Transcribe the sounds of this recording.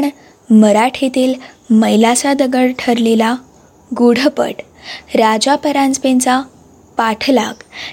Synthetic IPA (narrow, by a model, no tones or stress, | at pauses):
ɳ | məɾaʈʰet̪iːl | məjlasad̪əɡəɭʈʰəɾlela | ɡuɽ̤əpə̰ʈ | ɾad͡zapəɾãnd͡zpent͡sa | paʈʰlak